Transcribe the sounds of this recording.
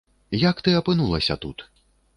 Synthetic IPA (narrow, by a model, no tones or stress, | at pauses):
jɐkt̪ɨɐpɨnulˠɐsʲɐ̰t̪ut̪